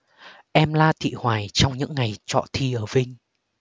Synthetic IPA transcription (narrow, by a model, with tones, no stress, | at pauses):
ʔɛ˧mlaː˧t̪ʰḭ˧˨hwaː˨˩jt͡ɕɔ˧wŋ͡mɲɨ̰˧˥ŋːa˨˩jt͡ɕɔ̰˧˨t̪ʰi˧ʔəː˧˩vï˧ŋ̟